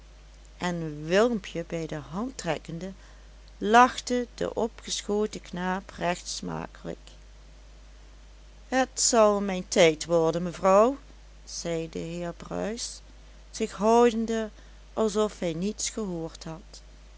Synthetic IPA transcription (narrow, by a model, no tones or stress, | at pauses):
ʔɛnʋɪlˠmpʰjəbɛjdəɦɑntrɛkəndə | lɑχtədə̰ʔɔpχəsxotəknaːprɛxtsma̰ːkələ̰k | ɦətsɑlˠmɛjntɛjtʋɔɹdənməvrɑw | z̥ɛjdəɦɪːɹbrœ̰ɥs | z̥ɪxɦɔwdəndə | ʔɑlˠsɔfɦɛjnitsχəɦoːɹtɦɑt